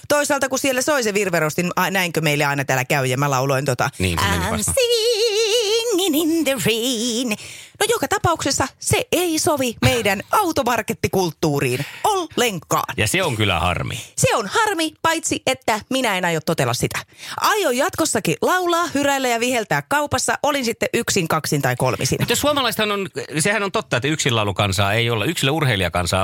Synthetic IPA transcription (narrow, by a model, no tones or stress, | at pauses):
t̪oisɑːlt̪ɑkusielːæsoiseʋirʋerost̪inɑnæiŋkømeilːeɑinɑt̪æːlækæyjemːælɑuloint̪ot̪ɑ̰niːnæ̰nsi | nːinind̪eriːnnojokɑt̪ɑpɑuksesːɑseʔeisoʋimeidænʔɑut̪omɑrket̪ːikult̪ːuːrḭːnolːeŋkːɑ̰ːnjɑseoŋkylːˑæ̰hɑ̰rmḭseonhɑrmipɑit̪siʔet̪ːæminæenɑjot̪tot̪elːˑɑssit̪æʔɑjojjɑt̪kosːɑkilɑulɑːhyɾælːæjɑʋihelt̪æːkkɑupɑsːɑʔolinsit̪ːeʔyksiŋkɑksint̪ɑiko̰lmḭsḭnt̪josuɑmɑlɑist̪hɑnonsehænont̪ot̪ːɑet̪ːæyksilːɑulukɑnsɑ̰ːeiolːɑyksilːæurheiliɑ̰kɑ̰nsɑ̰ː